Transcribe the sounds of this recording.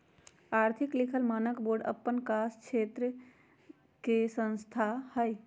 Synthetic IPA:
aːɾt̪ʰiklikʰəlmaːnəkboɾɖə̰pːənkast͡ʃʰet̪ɾə | kesə̃nst̪ʰahəj

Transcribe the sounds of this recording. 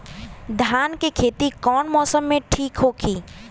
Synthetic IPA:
d̪ʱaːnkekʰeːt̪ikɔːnmɔːsəmːẽʈʰiːkɦoːkʰiː

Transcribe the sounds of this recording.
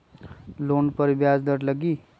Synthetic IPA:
loːnpəɾbjaːzd̪əɾləɡiː

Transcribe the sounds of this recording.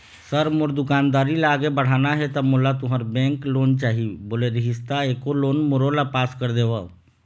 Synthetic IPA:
səɾmoɾd̪ʊkaːnd̪aːɾilaaːɡebəɽ̤aːnaɦɛt̪əmolat̪ʊɦəɾbɛ̃ŋkloːnt͡ʃaːɦiboːleɾiɦist̪aeːkoloːnmoɾolapaːskəɾd̪eʋə

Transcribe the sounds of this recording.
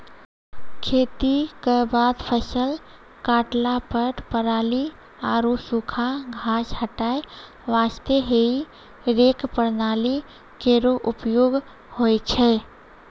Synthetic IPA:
kʰet̪ikəbad̪pʰəsəl | kaʈlapəʈpəɾali | aɾosukʰaɡʱashəʈae | ʋast̪eɦei | ɾekpəɾnali | keɾoʔupjoɡ | hojt͡ʃʰɛ

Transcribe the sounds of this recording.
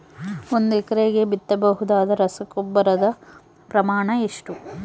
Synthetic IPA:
o̞nd̪ɛkɐɾeːɡebit̪ːɐbɐɦud̪aːd̪ɐɾɐsɐkubːɐɾɐd̪ɐ | pɾɐmaːɳɐeʂʈu

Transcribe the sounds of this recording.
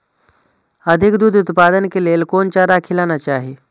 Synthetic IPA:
əd̪ʱikd̪uːd̪ut̪pad̪ənkelelkont͡ɕaɾakʰilanat͡ɕaːɦe

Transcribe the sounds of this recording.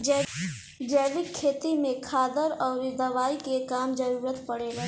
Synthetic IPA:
d͡ʒ | d͡ʒɛːʋɪkʰːeːt̪imẽkʰaːd̪əɾɔːɾd̪ɐʋaːikekaːmd͡ʒəɾuːɾət̪pəɽeɡa

